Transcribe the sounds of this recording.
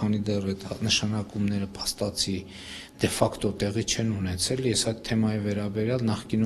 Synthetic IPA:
ɑnid̪ɛrɛt̪nəʃɑnɑkumnɛɾəpʰɑ̥st̪ɑt͡sʰi | d̪̥ɛfɑkt̪ɔt̪ɛʁit͡ʃʰɛnunɛt͡sʰɛljɛsɑjd̪̚t̪ʰɛmɑjivɛɾɑbɛɾjɑlnɑχkinu

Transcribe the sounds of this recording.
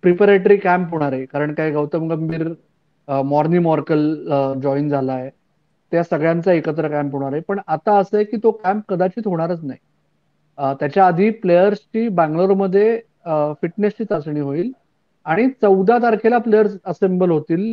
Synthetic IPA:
pɾipaɾeʈəɾiːkæmpɦoɽ̃aɾekaɾəɳkaɦiɡəwt̪əmɡəmbiːɾ | mɔɾniːmɔɾkəld͡ʑɔind͡zʱalaje | t̪jasəɡɭjant͡saekət̪ɾəkæmpɦoɽ̃aɾɦepəɳat̪aəsəjekiːt̪okæmp̚kəd̪at͡ɕiːt̪ɦoɽ̃aɾət͡snaɦi | t̪jat͡ɕjaəd̪ʱiːplejəɾst͡ɕiːbæ̃ŋɡloɾməd̪ʱːje | fiʈnest͡ɕiːt̪asɳ̃iːɦoiːl | aɽ̃it͡səwd̪ʱat̪əɾkʰelaplejəɾsəsembəlɦot̪iːl

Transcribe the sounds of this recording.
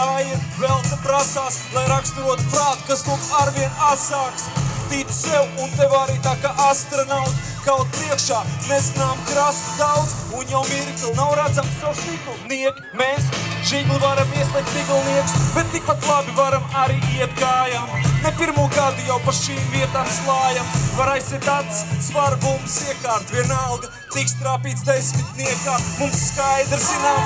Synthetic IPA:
kaːjavɛlˠt̪apɾasaːslˠajɾakst̪uɾuːɔt̪u̥pɾaːt̪u̥kasnuk̪aɾviɛnat̪saːkst̪iːt̪u̥sɛwunt̪ɛvaɾiːt̪aːkaːʔast̪ɾonawt̪ | kawt̪̚pɾiɛkʃaːnezinaːmkɾast̪ud̪awd̪zunjawmiɾt̪unawɾad̪zamsawsik̪uniɛkʲi̥meːsʒiɡlˠuvaɾamiɛslˠɛk̚t̪ziɡlˠniɛkʊsbɛt̪t̪ːik̚pat̪lˠabivaɾamaɾiːiɛt̪ɡaːjaːmnepiɾmuɔɡad̪ujawpaʃiːmviɛt̪aːmslˠɑːjamvaɾajsit̪at̪ssvaɾbumsiɛkaːɾt̪vʲiɛnalˠɡ̪ɐ | t̪ikst̪ɾaːpiːt̪sd̪esmit̪niɛkaːmumsːkajd̪ɾzinaːm

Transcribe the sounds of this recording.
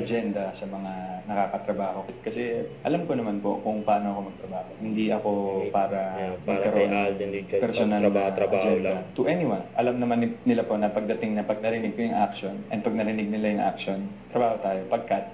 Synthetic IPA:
ɐd͡ʒɛnd̪ɐsɐmɐŋanɐkaːkɐt̪ɾɐbaːho̞kɪt̪̚kɐsɛʔɐlamkonɐmanpo̞̰kʊŋpɐʔaːno̞ʔɐko̞mɐɡ̚t̪ɾɐbaːhohɪnd̪iʔɐko̞paːɾɐmɐɡɐɾonpɛɾsonalɐɐd͡ʒɛdɐt̪ʊʔɛnɪwɐnʔɐlamnɐmannɪlapo̞nɐpɐɡ̚d̪ɐt̪ɪŋnɐpɐɡ̚nɐɾɪnɪɡ̚kojʊŋʔak̚ʃo̞nʔɛn̚pɐɡ̚nɐɾɪnɪɡ̚nɪlajʊŋʔa̰k̚ʃo̞nt̪ɾɐbaːho̞t̪aːjo̞pɐɡ̚kɐt̪̚

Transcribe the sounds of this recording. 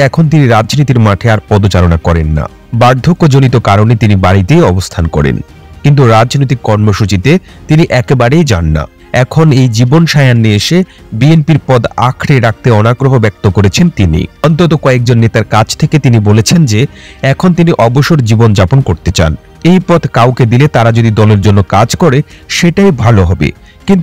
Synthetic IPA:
ɛkʰont̪̬iniɾad͡ʑnit̪iɾmaʈʰeaɾpɔd̪ot͡ɕaɾonakɔɾenːa̰ | baɾd̪ʱokːod͡ʑonit̪̬okaɾonet̪inibaɽit̪ejɔbost̪ʰankɔ̰ɾḛn | kint̪̬uɾad͡ʑnoit̪̬ikːɔɾmoʃut͡ɕit̪e | t̪iniʔɛkebaɾejd͡ʑa̰nːa̰ | ɛkʰonejd͡ʑibonʃajanːeeʃe | bienpiɾpɔd̪a̰kʰɾeɾak̚t̪eɔnaɡɾoɦobɛk̚t̪okoɾet͡ɕʰent̪inḭɔnt̪ot̪okɔek̚d͡ʑonːet̪aɾkat͡ɕʰt̪ʰeket̪inibolet͡ɕʰend͡ʑeɛkʰont̪̬iniʔɔboʃoɾd͡ʑibond͡ʑaponkoɾt̪et͡ɕa̰n | ejpɔd̪kawked̪ilet̪aɾad͡ʑod̪id̪ɔleɾd͡ʑonːokad͡ʑkɔɾe | ʃeʈajbʱaloɦɔbḛ | kint̪

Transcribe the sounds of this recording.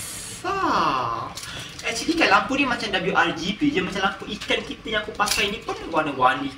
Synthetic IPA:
a | ɛsidikajlampunimat͡ʃamdabljuʔard͡ʒibid͡ʒamat͡ʃalampuʔikankit̪əjãkupakajnipʊnɡaniɡwani

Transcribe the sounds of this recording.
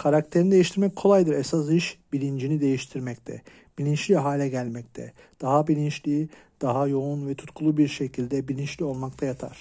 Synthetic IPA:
kʰaɾak̚t̪ʰeɾinid̪e̞jiʃt̪ʰiɾmɛc̚kʰo̞lˠajd̪ɯɾɛsas̬iʃbilʲind͡ʒinid̪e̞jiʃt̪ʰiɾmɛct̪ʰɛ̰ | b̥ilʲint͡ʃlʲiɦaːlʲɛɟælʲmɛc̚t̪ʰɛ̰ | d̪̥aɦabilʲint͡ʃlʲid̪̥aɦajo̞unvɛt̪ʰu̥t̪kʰulˠubiɾʃecʰilʲd̪ɛbilʲint͡ʃlʲio̞lˠmak̚t̪ʰajat̪ʰa̰ɾ̥

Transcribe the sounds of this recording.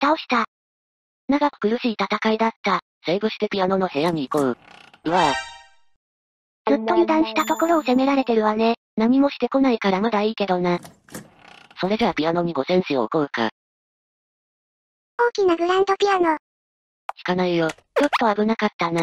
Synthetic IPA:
t̪aoɕi̥t̪a | naɡakɯ̟̥kɯ̟ɾɯ̟ɕiːt̪at̪akaid̪at̪ːa | se̞ːbɯ̟ɕi̥t̪e̞pʲiano̞no̞he̞jaɲ̟iːkoɯ̟ɯ̟a | zɨt̪ːo̞ɲid̪ãɰ̃ɕi̥t̪at̪o̞ko̞ɾo̞ːse̞me̞ɾaɾe̞t̪e̞ɾɯ̟βane̞ | nam̟ʲimo̞ɕi̥t̪e̞ko̞naikaɾamad̪aiːke̞d̪o̞na | so̞ɾe̞deβapʲiano̞ɲ̟iɡo̞sẽ̞ɰ̃ɕio̰ːkoɯ̟ka̰ | oːkʲinaɡɯ̟ɾãnd̪o̞pʲiano | kʲi̥kanaijo | jo̞t̪ːo̞abɯ̟nakat̪ːana

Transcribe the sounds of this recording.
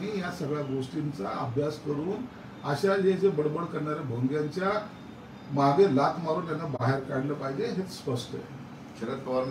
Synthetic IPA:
ɽ̃ijasəɡɭjaɡoʂʈint͡saəbʱjaskəɾuːn | əɕaɦed͡ʑebəɽbəɽkəɾɳaɾebʱoŋɡjaɲt͡ɕja | maɡelat̪maɾuːnt̪janːabaɦeɾkaɽləpaɦid͡ʑeɦet͡sspəsʈə̰jḛ | kʰeɾət̪oa

